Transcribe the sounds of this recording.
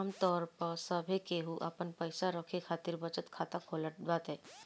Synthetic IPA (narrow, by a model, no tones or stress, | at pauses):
mt̪ɔːɾpəɾsəbʱekeɦuʔɐpənpəɪsaɾəkʰekʰaːt̪iɾbət͡ʃət̪kʰaːt̪akʰoːləʈaːt̪ɦɛː